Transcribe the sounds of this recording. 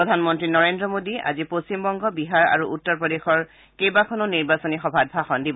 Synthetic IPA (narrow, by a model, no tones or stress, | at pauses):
ɹɔdʱanmɔntɹinɔɹendɹɔmodia̰zipost͡ɕimbɔŋɡɔbiɦaɹa̰ɹuʔutːɔɹpɹɔdexɔɹ | kejbakʰɔnoniɹbasɔnixɔbʱad̚bʱaxɔndibɔ